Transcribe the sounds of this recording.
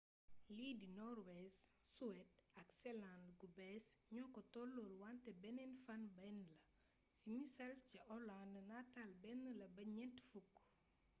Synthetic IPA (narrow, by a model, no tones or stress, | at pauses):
liːdinɔrwɛssuwɛt̚ɐksɛlãndɡubɛsɲɔkːɔtɔlːoːlwantɛbɛnɛnfɐnbɛnlɐ | simisɐlciʔɔlandnatalbɛnːəlɐbɐɲɛntfukː